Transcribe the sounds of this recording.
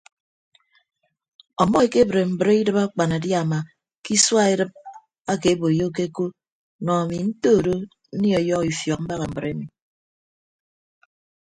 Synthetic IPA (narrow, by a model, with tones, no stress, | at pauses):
ɔ˨mɔ˦e˨ke˦bɾe˨m̩˨bɾe˦i˦dɨ˦ba˦k͡pa˨na˨dja˦˨ma˨ | ki˦swa˦e˦ɾɨ˦p̚ | a˦ke˨˦bo˨jo˦k̬e˦ko˦ | nɔ˨a˨mi˨n̩˦toː˦˨ɾo˦ | n̩˦ni˦ɔ˨jɔ˦ki˨fjɔ˨k̚m̩˦ba˦ɣa˨m̩˨bɨ˨ɾe˦mi˨